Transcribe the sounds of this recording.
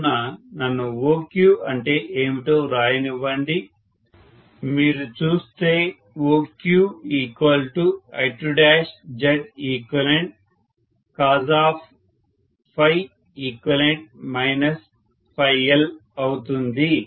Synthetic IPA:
ɐnɐnːuʋoːkjuːɐɳʈe̞ːʔeːmiʈoːɾaːjɐniʋɐɳɖi | miːɾut͡ʃuːst̪e̞ː | ʋoːkjuːiːkʋɐlʈuɐ̰jʈɾuɖaːʃd͡ʒɐɖiːkʋɐleɳʈ̚ | kaːzaːpʰ | pʰɐj | iːkwɐleɳʈ̚mɐjnɐs | pʰɐjɐlɐwut̪und̪i

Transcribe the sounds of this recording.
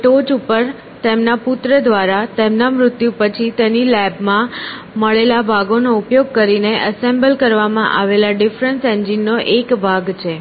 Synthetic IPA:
ʈod͡ʒupəɾ | t̪emnapʊt̪ɾəd̪ʋaɾat̪emnamɾʊt̪jupət͡ʃʰit̪enilɛbmã | məɭelabʱaɡonoupjoɡ̚kəɾineʔəsembəlkəɾʋamãʔa̰ʋelaɖifɾənsɛ̃ɲd͡ʒinːoʔekbʱaɡt͡ʃʰe

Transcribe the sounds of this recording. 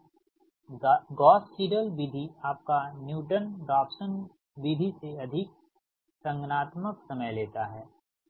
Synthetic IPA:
ɡɔːsːiːɖəlbid̪ʱiaːp̚kanjuːʈənɖaːpsən | ʋid̪ʱiseɐd̪ʱɪk̚ | sɐ̃ŋɡnaːt̪məksɐməjleːt̪aɦɛː

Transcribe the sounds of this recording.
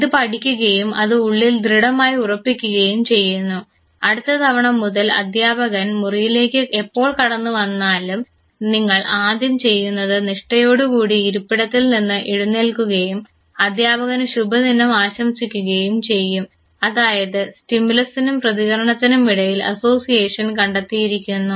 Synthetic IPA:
iðɨpɐɽikʲːuɣɐjumɐ̰ðɨuɭːild̪riɽɐmaːjiurɐpːikʲːuɣɐjumt͡ɕe̞jːunːu | ɐɽut̪ːɐt̪ʰɐʋɐɳɐmːuðɐlɐ̰d̪ʱjaːbɐɣɐnmurijile̞ːkʲːɨʔepːo̞ːɭkɐɽɐnːuʋɐnːaːlum | niŋːɐɭʔaːd̪ʱjɐmt͡ɕe̞jːunːɐðɨniʂʈɐjo̞ːɽukuːɽiːɾupːiɽɐt̪ːilninːɨʔiɽunːelkuɣɐjum | ɐd̪ʱjaːbɐɣɐnɕubʱɐninɐmaːɕɐmsikʲːuɣɐjumt͡ɕe̞jːum | ɐðaːjɐðɨsʈimulɐsinumprɐðiɣɐɾɐɳɐt̪ːinumiɽɐjilɐ̰so̞ːsijeːʂɐnkɐɳɖɐt̪ːijiɾikʲːunːu

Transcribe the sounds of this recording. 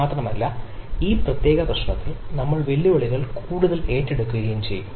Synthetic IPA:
aːt̪rɐmɐlːɐiːprɐt̪je̞ːɣɐd̪ɐʂɐɳɐt̪ːilnɐmːɐɭʋe̞lːiʋɐɭiɣɐɭkuːɽuðɐle̞ːtːeɽukːuɣɐjumt͡ɕe̞̰jːum

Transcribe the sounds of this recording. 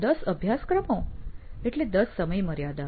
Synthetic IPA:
d̪əsəbʱjaskɾəmõeʈled̪əsːəməjməɾjad̪a

